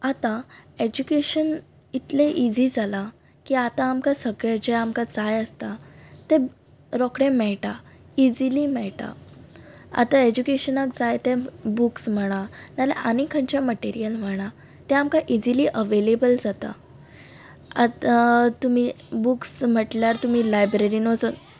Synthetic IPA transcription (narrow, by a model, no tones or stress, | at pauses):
at̪ãed͡ʑukeɕən | it̪leʔid͡zid͡zala | kiːat̪ãːmkasəɡɭjad͡ʑeamkat͡sajəst̪at̪ẽ | ɾɔkɽẽmɛɭʈa | id͡zilimɛɭʈa̰ | a̰t̪aed͡ʑukeɕənəkd͡zajt̪ẽbuksm̤əɽ̃analḛʔanikʰaɲt͡ɕaməʈeɾijəlm̤əɽ̃a | t̪ɛ̃amkaʔid͡ʑiliːʔəʋelebəld͡zat̪a̰ | a | t̪umi | buksm̤əʈljaɾt̪umiːlajbɾeɾinod͡zən